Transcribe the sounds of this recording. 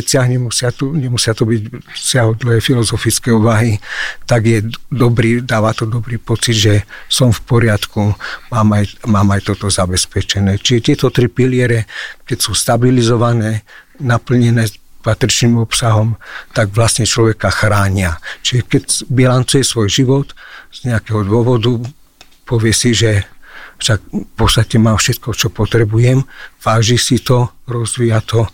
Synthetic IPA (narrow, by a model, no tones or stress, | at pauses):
sɪaɦɲɛmusɪat̪uɲɛmusɪat̪ubiɟsɪaɦɔd̪l̩ɦɛjfilɔzɔfit͡skɛuʋaɦit̪aɡjɛd̪ɔbɾiːd̪aːʋat̪ɔd̪ɔbɾiːpɔt͡sid̪ʒɛsɔmfpɔɾɪat̪kumaːmajmaːmajt̪ɔt̪ɔzabɛspɛt͡ʃɛnɛːt͡ʃiʒɛt̪ɪɛt̪ɔt̪ɾipilɪɛɾɛkɛcsuːst̪abilizɔʋanɛː | napl̩ɲɛnɛːpat̪ɾit͡ʃniːmɔpsaɦɔmt̪aɡʋlast̪ɲɛt͡ʃlɔʋɛkaxɾaːɲiat͡ʃiʒɛkɛcbilant͡sujɛsʋɔjʒiʋɔt̪z̥ɲɛakɛɦɔd̪ʊɔʋɔd̪u | pɔʋɪɛsiʒɛfʃakfpɔst̪acɛmaːfʃɛt̪̚kɔt͡ʃɔpɔt̪ɾɛbujɛmʋaːʒisit̪ɔɾɔzʋijat̪ɔ